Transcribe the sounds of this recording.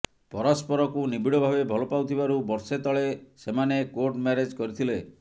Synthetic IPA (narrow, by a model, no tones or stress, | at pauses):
pɔɾɔspɔɾɔkunibiɽɔbʱabebʱɔlɔpawt̪ʰibaɾubɔɾset̪ɔɭesemanekoɾʈmeɾed͡ʒkɔɾit̪ʰile